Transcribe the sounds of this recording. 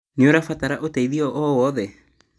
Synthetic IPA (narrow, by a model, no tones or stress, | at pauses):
neoɾafataɾaʔotɛiðiɔʔɔwɔðɛ